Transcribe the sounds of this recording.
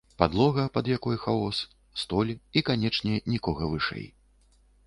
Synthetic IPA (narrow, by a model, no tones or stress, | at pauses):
pad̪lˠɔɣɐpɐd̪jakɔjxaɔs | st̪ɔlʲikanʲɛt͡ʂnʲɛnʲikɔɣɐvɨʂɛ̰j